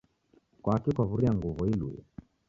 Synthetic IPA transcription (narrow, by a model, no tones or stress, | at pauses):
kwaakikwavuɾiaŋɡuvuilṵjɔ̰